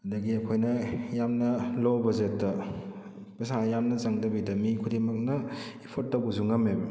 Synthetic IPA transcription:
ɐdɐɡiɐkʰojnɐjamnɐlowbɐzetːɐ | pɐsanjamnɐt͡ʃɐŋdɐbidɐmikʰudemɐk̚nɐipʰotːɐwbuzuŋɐmebɐ

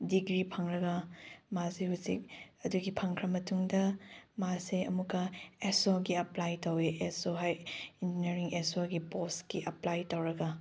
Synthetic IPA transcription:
diɡɾipʰɐŋɾɐɡɐmasehusḭk̚ɐduɡipʰɐŋkʰɾɐmɐtuŋdɐmaseɐmukɐesoɡiɐplajtoweʔesoɦajind͡ʒineɾiŋesoɡiposkiʔɐplajtowɾɐɡɐ

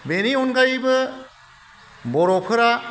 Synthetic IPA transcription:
beniɔnɡajbɯ | bɔɾɔpʰɯɾa

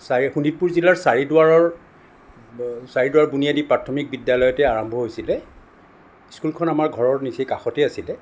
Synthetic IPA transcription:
saɹixunit̚puɹzilaɹsaɹidʊaɹɔɹ | saɹidʊwaɹbunijadipɹatʰɔmik̚bidjalɔjɔtɛaɹɔmbʱɔɦojsilɛ | skulkʰɔnamaɹɡʱɔɹɔɹnisekaxɔtɛasilɛ

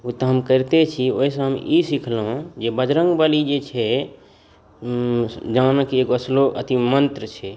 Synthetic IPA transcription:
ut̪əɦəmkəɾt̪et͡ʃʰio̰isə̃ɦəmisikʰlɦũd͡ʒebəd͡ʒɾə̃ŋɡbalid͡ʒet͡ʃʰɛ | d͡ʒanəkekəsloə̰t̪imənt̪ɾət͡ʃʰɛ

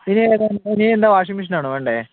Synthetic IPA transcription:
pineeðenniend̪aːʋaːʂ̬imiʂɐnaːɳɨʋeːɳɖe

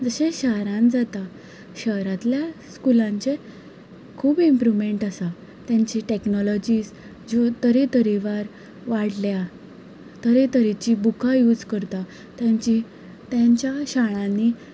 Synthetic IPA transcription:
d͡zəɕẽɕaɦɾãnd͡zat̪a | ɕəɦɾat̪ljaskulãɲt͡ɕe | kʰuːbimpɾuʋmeɳʈasa | t̪jãɲt͡ɕiʈeknɔlɔd͡ʑiːs | d͡ʑot̪əɾet̪əɾiʋaɾ | ʋaɽlja | t̪əɾet̪əɾit͡ɕibukʰajuːd͡zkəɾt̪a | t̪jaɲt͡ɕi | t̪jaɲt͡ɕjaɕaɭ̃ãni

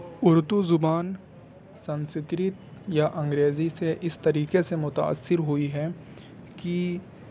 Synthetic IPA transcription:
ʊɾd̪uzʊbaːn | sɐ̃nskɾɪt̪jaʔɐ̃ŋɡɾeːziseʔɪst̪ɐɾiːkesemʊt̪a̰ːsːɪɾɦʊiɦɛ | ki

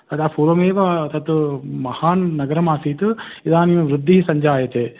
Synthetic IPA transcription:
t̪ɐd̪aːpʰuːɾʋɐmeːʋat̪ɐt̪mɐhaːnːɐɡɐɾɐmaːsiːt̪ɨ | id̪aːnimɐʋɾud̪ʱːiɦisɐɲd͡ʒaːjɐt̪eː

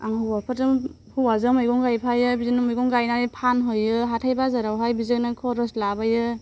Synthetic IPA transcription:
aŋɦuwapʰɯtɯm | huwazɯmɯjɡɔŋɡajpʰajɯbizinɯmɯjɡɔŋɡajnanipʰanɦɔjɯɦatʰajbazaɾawɦajbizɯnaŋkʰɔɾɯslabajɯ

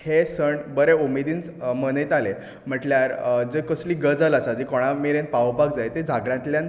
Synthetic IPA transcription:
hesəɳbəɾeumed̪iːnt͡smənit̪ale | m̤əʈljaɾd͡zekəsliːɡəd͡zalasad͡ʑikɔɽ̃amiɾẽnpaʋbaɡd͡zajt̪ed͡zʱaɡɾãnt̪ljan

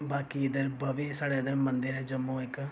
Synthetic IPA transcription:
baːkiːɪd̪əɾbəʋeːsaːɽeːɪd̪əɾmənd̪əɾɦɛːd͡ʒəmːõːɪk

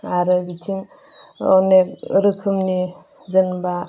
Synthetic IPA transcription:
aɾɯbit͡ʃʰiŋ | ɔnekɾɯkʰɯmni | zɯnba

